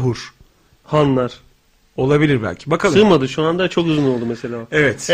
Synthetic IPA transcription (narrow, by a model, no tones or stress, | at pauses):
ɦuɾ̥ | hanlˠaɾ̥ | o̞lˠabilʲiɾbæ̰lʲcʰi̥bakʰalˠɯmad̪ɯʃuand̪at͡ʃʰo̞kɯzunolˠd̪umese̞lʲaːevɛt̪